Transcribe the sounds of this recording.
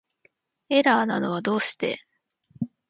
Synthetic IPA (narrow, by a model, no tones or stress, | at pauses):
e̞ɾaːna̰no̞β̞ad̪o̞ːɕi̥t̪e̞̰